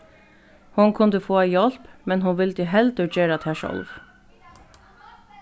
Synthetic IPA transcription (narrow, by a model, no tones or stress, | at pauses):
hʊnkʰʉnd̪əfoːæɪjɔlpmɛnhʊnʋɪld̪əɦɛld̪əd͡ʒeːɾɑt̪ʰhæːʃɔ̰lʋ